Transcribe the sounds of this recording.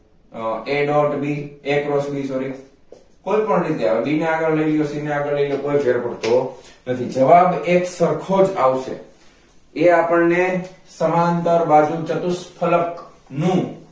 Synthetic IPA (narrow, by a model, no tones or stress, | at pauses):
eɖɔʈbʱiekɾəsbʱisoɾi | koipəɳnit̪ea̰d̪ineaɡəɭlelijosineaɡəɭleilokoifeɾpəɽt̪onət̪ʰid͡ʒəʋabeksəɾkʰod͡ʒaʋʃʰḛ | eapəɽnesəmant̪əɾʋad͡ʒũt͡ʃət̪uspʰələk | nũ